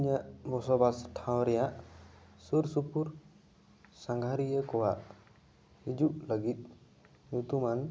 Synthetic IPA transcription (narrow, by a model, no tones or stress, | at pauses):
iɲaʔbɔsɔbasʈʰãwɾɛjaʔsuɾsupuɾ | saŋɡʱaɾijekɔwaʔ | hid͡ʒuʔləɡit̪̚ˀ | ɲut̪uman